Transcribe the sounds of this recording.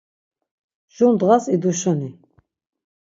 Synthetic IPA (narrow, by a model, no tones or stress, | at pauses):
ʒund̪ʁasid̪uʃɔni